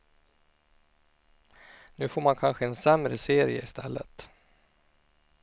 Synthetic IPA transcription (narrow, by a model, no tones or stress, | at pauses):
nʉ̟ːfoːɾmankʰanɧəɛnsɛmɾəseːɾɪə̰ɪst̪ʰɛ̰lːə̰t̪